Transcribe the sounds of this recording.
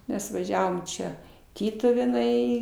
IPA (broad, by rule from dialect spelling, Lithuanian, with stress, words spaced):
ˈmʲɛs ʋɐˈʒʲæːʋoːm ˈt͡ʃʲɛ ˈtʲiːtʊʋʲeːnɐɪ